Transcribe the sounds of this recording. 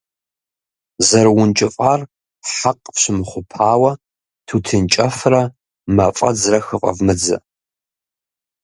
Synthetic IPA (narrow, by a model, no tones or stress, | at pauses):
zɐɾwʊnt͡ʃʼɪfʼaːr | ħaqʼpɕɪmχʷʊpʰaːwɐ | tʰutʰɨnt͡ʃʼɐfrɐ | mɐfʼɐ̰d͡zrɐxɨfʼɐ̰vmɨd͡zɐ̰